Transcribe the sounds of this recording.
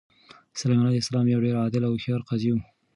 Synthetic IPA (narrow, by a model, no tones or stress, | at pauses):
salajmɑnɑd̪ɪsalɑmjawɖeɾɑd̪ɪlawxɑɾqazijum